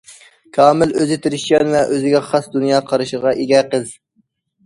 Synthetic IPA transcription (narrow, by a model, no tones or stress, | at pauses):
kʰɑːmɪløzɪt̪ʰiɾɪʃjɛnvɛʔøzɪɡʲɛχɑsd̪unjɑːqʰɑɾɨʃəʁɑʔeɡʲɛqəz